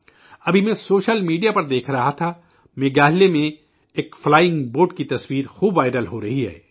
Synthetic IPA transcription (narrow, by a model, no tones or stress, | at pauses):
ɐbʱimɛ̃soːʃəlmiːɖijapɐɾd̪eːkʰɾɐɦat̪ʰa | mẽːɡaːɦlemẽ | eːkflaːjɪ̃ŋɡboːɖkit̪ɐswiːɾxuːbʋaːɪɖəlɦoɾɐɦiɦɛ̰ː